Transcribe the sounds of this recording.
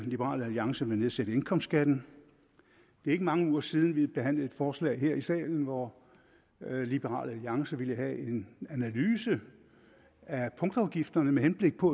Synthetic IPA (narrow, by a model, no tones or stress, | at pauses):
lib̥əʁɑ̰̈ːləæliɑ̈ŋsəʋene̝ðˠsed̥əe̝nkʰɒ̽m̰sɡ̥æd̥n̩ | d̥eɐe̝ɡ̥əmɑ̈ŋəuːɐsiːð̞ˠn̩ʋib̥e̝ɦæn̰ləe̝d̥fɒːslɛ̰ːɪɦe̝ɐ̰isɛ̰ːln̩ʋɒ | lib̥əʁɑ̰̈ːləæliɑ̈ŋsɐʋiləɦæʔe̝nænælyːsə | æpʰɔ̽ŋd̥ɑ̈ʊɡ̥ifd̥ɐnəmehenb̥le̝ɡ̥̚pʰɒ̽